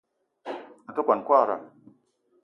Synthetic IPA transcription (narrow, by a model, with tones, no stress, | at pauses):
na˨tə˦kʷa˨n˨kʷa˦˨ɾa̰˨